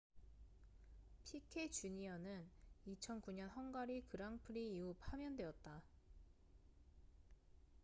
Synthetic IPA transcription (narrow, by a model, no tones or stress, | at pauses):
pʰikʰet͡ɕuɲiʌnɯnit͡ɕʰʌnkuɲʌnɦʌnɡaɾikɯɾaŋpʰɯɾiːupʰamjʌndwe̞ʌt̚t͈a